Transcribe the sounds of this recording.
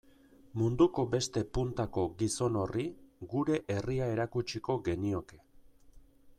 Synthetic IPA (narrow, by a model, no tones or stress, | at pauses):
mund̪uko̞be̞st̪e̞punt̪ako̞ɡiso̞no̞riɡuɾe̞ʔeriae̞ɾakut͡ʃiko̞ɡe̞nio̞ke̞̥